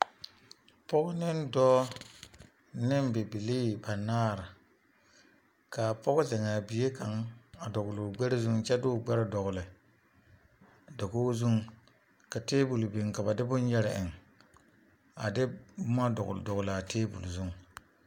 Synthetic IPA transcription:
pɔ˦ɡʊ˦nɪ˦n˦dɔː˦ | nɪ˦m˦bɪ˨bi˨li˦ba˨naː˦ɾɪ˨ | ka˨pɔ˦ɡʊ˦zɛ˨ŋa˨bi˨je˦ka˨ŋa˨dɔ˨ɡʊ˨lo˨ɡ͡bɛ˦ɾɪ˦zu˦ŋt͡ʃɛ˦dʊː˦˨ɡ͡bɛ˦ɾɪ˦dɔ˨ɣʊ˨lɪ˨ | dɔ˨koː˦zu˦ŋ | ka˨teː˦bu˨lbi˨ŋ˨ka˨ba˨dɪ˦bʊ˦n˦jɛ˦ɾɪ˨ʔɪ˨ŋ | a̰˨dɪ˦bʊ˦ma˦dɔ̰˨ɣ̰dɔ˨ɣʊ˨la˨teː˦bṵ˨lzu˦ŋ˨

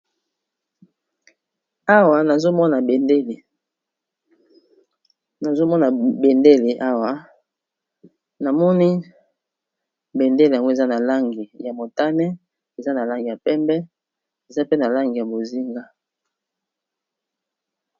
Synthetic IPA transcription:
a˦wa˨na˨zo˦mɔ˦na˨be˨nde˦le˨ | na˨zo˦mɔ˦na˨be˨nde˦le˨ʔa˦wa˨ | na˨mɔ˦ni˦ | be˨nde˦le˨a˨ŋɡo˦e˨za˦na˨la˦ŋɡi˨ja˨mo˨ta˦nɛ˦ | e˨za˦na˨la˦ŋɡi˨a˨pɛ˦mbɛ˦ | e˨za˦pe˦na˨la˦ŋɡi˨ja˨bo˨zi˦ŋɡa˦

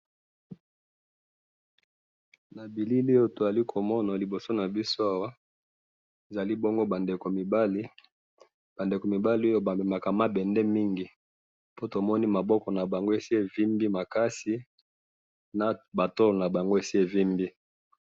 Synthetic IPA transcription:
na˨bi˨li˦le˦jo˦to˨a˨li˦kʰo˨mɔ˦na˨li˨bo˨so˦na˨bi˦so˦a˦wa˦ | e˨za˨li˦bɔ˦ŋɡo˦ba˨nde˨ko˨mi˨ba˦li˦ | b̥a˨nde˨ko˨mi˨ba˦li˦o˦jo˦ba˨be˨ma˨ka˨ma˦bɛ˨ndɛ˦mi˦ŋɡi˨ | po˦to˨mɔ˦ni˦ma˨bɔ˦kɔ˨na˨ba˨ŋɡo˦e˨si˦e˨vi˦mbi˦ma˨ka˦si˦ | na˨ba˨to˦lo˨na˨ba˨ŋɡo˦e˨si˦e˨vi˦mbi˦

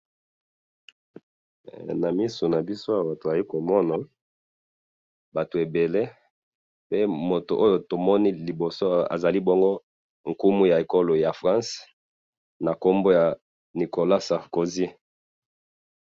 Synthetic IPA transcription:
na˨mi˦so˨na˨bi˦so˦a˨ba˨to˨a˨ji˦ko˨mɔ˦na˨ | ba˨to˨e˨be˨le˦ | pe˦mo˨to˨ʔo˦jo˨to˨mɔ˦ni˦li˨bo˨so˦a̰˨za˨li˦bɔ˦ŋɡo˦ | ŋ̩˨ku˦mu˦ja˨e˨ko˦lo˨ja˨fʁã˦s | na˨ko˦mbo˦ja˨ | ni˨ko˨la˦sa˨ʁko˨zi˦

